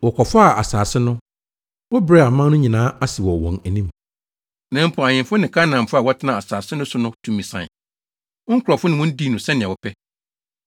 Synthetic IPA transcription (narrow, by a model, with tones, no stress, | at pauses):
wɔ˨kʰɔ˨fʊ˦a˨ʔa̰˨saː˨sɪ˦nʊ̃˦ | wɔ˦bɾɛ˦a˨mã˦nʊ̃˦ɲĩ˨nãː˦a˦sɪ˨wɔ˨wɔ̃˨næ˨nĩ˦m | nã˨˦m̩˦pʰʊ˨a˨ɲɪ̃˨mfʊ˦nɪ̃˨kʰa˦nã˨m˨fʊ˦a˨wɔ˦tʰɪ˦nã˨a˨saː˨sɪ˦nʊ̃˦sʊ˦nʊ̃˦tʰũ˨mĩ˨sã̰˨n˨ | ɔ˦ŋ̩˦kʰɾɔ˨fʊ˦nɪ̃˨wɔ̃˦n̩˦di˦˨nʊ̃˨sɛ̃˦nɪ̃˨a˨wɔ˨pʰɛ˦